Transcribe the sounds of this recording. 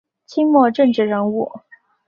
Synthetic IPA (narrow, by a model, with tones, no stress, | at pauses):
t͡ɕʰi˥ŋmwɔ˥˧ʈ͡ʂɤ˥˧ŋʈ͡ʂɻ̩˥˩ɻə˧˥ŋu˥˩